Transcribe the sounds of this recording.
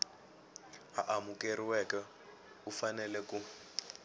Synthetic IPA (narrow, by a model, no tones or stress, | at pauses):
aʔamukeɾiwɛkɛ | ufanɛlɛku